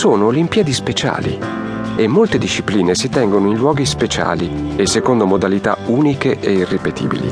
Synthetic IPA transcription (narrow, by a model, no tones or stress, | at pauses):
soːnoːlimpiːad̪ispet͡ʃa̰ːlḭ | emːolt̪ed̪iʃːipliːnesit̪ɛŋɡonoinlwɔːɡispet͡ʃa̰ːliesːekond̪omod̪alit̪a̰uːnikeʔeirːepet̪ʰḭːbḭlḭ